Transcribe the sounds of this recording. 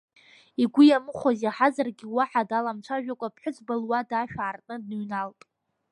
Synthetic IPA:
iɡʷʊjamɨχʷazeħazarɡʲiwaħadalamt͡ʃʷʰaʒᶣakʷʼapʰħʷᶣʊt͡sʰbalwadaʃᶣaːrtʼnɨdnɨɥnaltʼ

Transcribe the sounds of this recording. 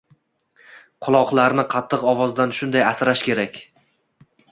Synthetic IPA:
qʰʊlˠɒqlˠaɾnɪqʰɑt̪ʰːɨqɒvɒzd̪anʃʊnd̪ajasɾaʃkʲʰe̞ɾakʲ

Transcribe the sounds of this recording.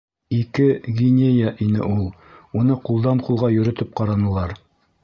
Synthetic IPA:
ikɘɡʲinʲejaʔinɘ̰ʔulˠ | unɤqulˠd̪ɑɴqulˠʁɑjɵ̆ɾɵ̆t̪ɘp̚qɑɾɑnɤ̆lˠɑɾ

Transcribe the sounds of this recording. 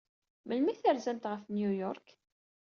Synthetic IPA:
məlmiθəɾzæmt̪ʁəfnjujɔɾk

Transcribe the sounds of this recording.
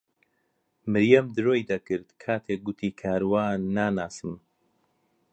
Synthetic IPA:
mɨɾjɐmd̪ɨɾoːjd̪ɐkɨɾd̪kʰaːt̪ʰek̚ɡʊt̪ʰiːkʰaːɾwaːnːaːnaːsɨm

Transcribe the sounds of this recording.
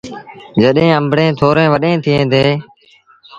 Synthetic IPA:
d͡ʒəɗẽːəmbɽẽːt̪ʰoːɾẽːʋəɗẽːt̪ʰɪẽːt̪eː

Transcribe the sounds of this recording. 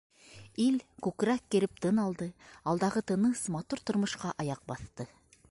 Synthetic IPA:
ilkʉkɾækːɘ̆ɾɘp̚t̪ɤnɑlˠd̪ɤɑlˠd̪ɑʁɤt̪ɤ̆nɤsmɑt̪uɾt̪ŏɾmɤ̆ʃqɑʔɑjɑq̚bɑθt̪ɤ

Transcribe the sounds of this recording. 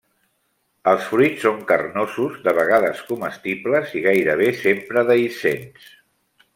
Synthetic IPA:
əlˠsfɾit͡sːoŋkərnozuzðəβ̞əɣaðəskuməst̪ipləziɣajɾəβ̞esempɾəðəisens

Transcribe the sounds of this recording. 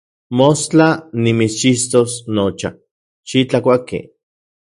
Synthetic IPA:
most͡ɬanimit͡st͡ʃist̪osnot͡ʃa̰ | ʃit͡ɬakʷakḛ

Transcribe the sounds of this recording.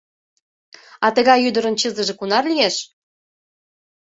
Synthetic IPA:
ɑt̪əɣɑjyd̪əɾə̆nt͡ɕəzə̆ʒĕkunɑrlijeʃ

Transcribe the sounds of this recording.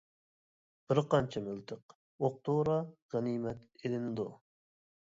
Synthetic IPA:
b̥ɪɾqɑnt͡ʃʰɛmɪlt̪ʰəq | oq̚t̪ʰoɾɑʁænimɛt̪elɪnɪd̪u

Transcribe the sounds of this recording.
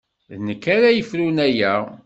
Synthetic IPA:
ðnəkːæɾæjəfɾunæjæ

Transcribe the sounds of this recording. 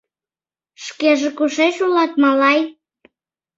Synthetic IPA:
ʃkeʒekuʃeʃulɑt̪̚mɑlɑj

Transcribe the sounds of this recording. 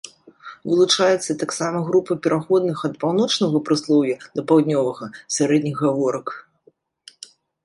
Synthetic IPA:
vɨlˠut͡ʂajɛt̪sːɐt̪aksamɐɣɾupɐpʲɛɾaxɔd̪nɨxɐt̪̚pawn̪ɔt͡ʂnɐɣɐpɾɨslˠɔwjɐd̪ɐpawd̪ʲnʲɔvɐɣɐsʲaɾɛd̪ʲnʲiɣɣavɔɾɐk

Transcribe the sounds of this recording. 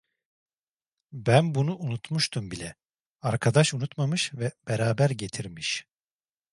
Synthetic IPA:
bænbunuʔunut̪muʃt̪ʰumbilʲɛ | aɾkʰad̪aʃunut̪mamɯʃvɛb̥eɾaːbæɾɟe̞t̪ʰiɾmiʃ

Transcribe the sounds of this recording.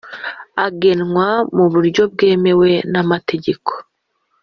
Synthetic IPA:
aɡe̞nŋwamuβuɾɟo̞b̚ɡe̞ːme̞we̞namatʰe̞ɟe̞ko̥

